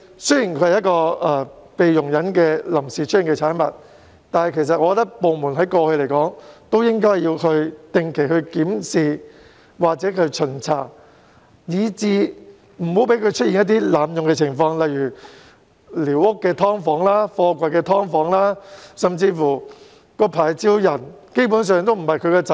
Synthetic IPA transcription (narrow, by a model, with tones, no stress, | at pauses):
sɵ˥jiː˨˩nkʰɵ˧ɥhɐ˨jɐ˥tkɔː˧ɐː˧ | pe˨jjʊ˨˩ŋjɐ˨˥nkɛː˧lɐ˨˩msiː˨˩t͡ʃʰɵ˥jiː˨˩ŋkɛː˧t͡sʰaː˨˥nmɐ˨t̚ | t̪aː˨nhɐ˨jkʰe˨˩js̬ɐ˨t̚ʔɔ˧kɔ˧t̪ɐ˥k̚po˨wmuː˨˩nɦɐ˨˥jkɔː˧hɵ˧ɥle˨˩jkɔː˨˥ŋt̪o˥wjɪ˥ŋkɔː˥jːiː˧wkʰɵ˧ɥt̪ɪ˨˧ŋkʰe˨˩jhɵ˧ɥkiː˨˥msiː˨˧ | waː˨˩k̚t͡sɛː˨˥kʰɵ˧ɥt͡ʃʰɵ˨˩nt͡sʰaː˨˩k | jiː˨˧t͡siː˨˧ | m̩˨˩ho˨˥wpe˨˥jkʰɵ˧t͡ʃʰt̚i˨njɐ˥t̪̬iː˥laː˨mjʊ˨ŋkɛː˧t͡sʰɪ˨˩ŋfɔː˧ŋlɐ˨jyː˨˩ | liː˨˩wʊ˥kːɛː˧t̪ʰɔː˥ŋfɔː˨˥ŋlaː˥fɔː˧kʷɐ˨jkɛː˧t̪ʰɔː˥ŋfɔː˨˥ŋlaː˥sɐ˨mt͡siː˧fuː˨˩ | kɔː˧pʰaː˨˩jt͡siː˥wjɐ˨˩nke˥jp̬uː˨˥ns̬œː˨˧ŋt̪o˥wm̩˨˩hɐ˨jkʰɵ˨˧ɥkɛː˧t͡sɐ˨